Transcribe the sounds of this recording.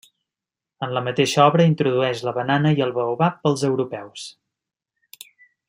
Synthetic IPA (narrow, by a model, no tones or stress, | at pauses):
ənləmət̪eʃəɔβɾəint̪ɾuðuɛʃləβənanəiəlˠβəuβapːəlˠzəwɾupɛws